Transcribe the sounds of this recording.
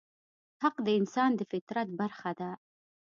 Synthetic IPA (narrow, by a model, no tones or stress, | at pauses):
haqd̪əɪnsɑnd̪əfɪt̪ɾat̪̚baɾxad̪a